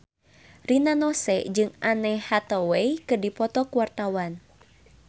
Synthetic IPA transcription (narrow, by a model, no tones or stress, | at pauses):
rinanɔsɛd͡ʒɨŋʔanɛhat̪ɔwɛjkɨrdipɔt̪ɔkuwart̪awan